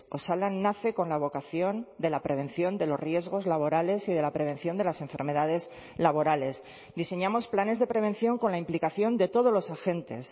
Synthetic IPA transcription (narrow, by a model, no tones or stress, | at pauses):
o̞salanːaθe̞ko̞nlaβ̞o̞kaθjo̞nd̪e̞lapɾe̞β̞e̞n̟θjo̞nd̪e̞lo̞rje̞zɣ̞o̞zlaβ̞o̞ɾale̞siðe̞lapɾe̞β̞e̞nθjo̞nd̪e̞lasẽ̞ɱfe̞̰ɾme̞ðaðe̞z | laβ̞o̞ɾale̞s | ðise̞ɲamo̞splane̞zðe̞pɾe̞βe̞nθjo̞ŋko̞nlaimplikaθjo̞nd̪e̞t̪o̞ð̞olo̞saxe̞nt̪e̞̰s